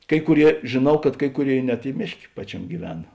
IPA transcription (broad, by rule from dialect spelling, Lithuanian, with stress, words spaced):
ˈkɐɪ kʊˌrʲiɛ ʒʲeːˈnɐʊ kɐt ˈkɐɪ kʊˌrʲeːɪ nʲɛt ɪ ˈmʲeːʃʲˌkʲeː ˈpɑːt͡ʃʲɛmʲeː ɡʲiːˈʋʲæːnɐ